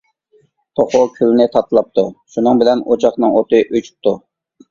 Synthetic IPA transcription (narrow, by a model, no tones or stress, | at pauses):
t̪ʰoχʊkʲʰylnɪt̪ʰɑt̪lˠɑp̚t̪ʰuʃunɨŋbɪlɛnot͡ʃʰɑχnɨŋot̪ɨʔøt͡ʃʰy̥p̚t̪ʰu